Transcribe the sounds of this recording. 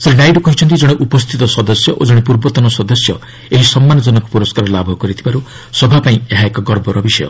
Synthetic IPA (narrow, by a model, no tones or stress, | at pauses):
sɾenajɖɔkɔɦit͡ʃʰɔnt̪id͡ʒɔɽ̃eʔupɔst̪ʰit̪ɔsɔd̪ɔsjɔʔod͡ʒɔɽ̃epuɾbɔt̪ɔnɔsɔd̪ɔsjɔ | eɦisɔmːanɔd͡ʒɔnɔku̥puɾɔskaɾɔlabʱɔkɔɾit̪ʰibaɾu | sɔbʱapaĩeɦaekɔɡɔɾbʱɔɾɔbisɔjɔ̰